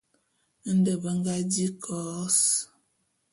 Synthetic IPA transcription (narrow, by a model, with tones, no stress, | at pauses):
n̩˦də˨bə˦ŋ˦ɡa˦di˦kʰɔ˨˦s